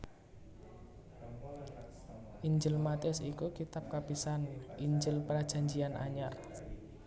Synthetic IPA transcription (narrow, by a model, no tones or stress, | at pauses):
ʔiɲd͡ʒɪlmat̪iɔsikukit̪ap̚kapisanʔiɲd͡ʒɪlpɾad̥ʒ̥a̤ɲd͡ʒianʔa̰ɲar